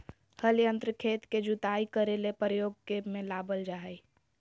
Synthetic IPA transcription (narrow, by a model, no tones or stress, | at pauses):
həlijə̃nt̪ɾəkʰeːt̪ked͡ʒut̪aːikəɾelepɾəjoːɡ̚kemẽlaːbəld͡ʒaɦə